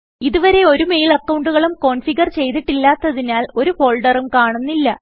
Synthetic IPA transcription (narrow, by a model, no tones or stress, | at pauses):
iðuʋɐɾe̞o̞ɾume̞jilɐkːɐwɳɖuɣɐɭumko̞ːɳfiɡɐrt͡ɕe̞jt̪iʈːilːaːt̪ːɐðinaːlo̞ɾuho̞ːɭɖɐrumkaːɳunːilːɐ